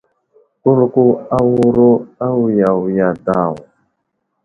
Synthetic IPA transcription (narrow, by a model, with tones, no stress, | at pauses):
ku˦ɾu˦ku˦a˦wu˦ɾu˦a˦wu˦ja˨wu˨ja˨daː˨wu˨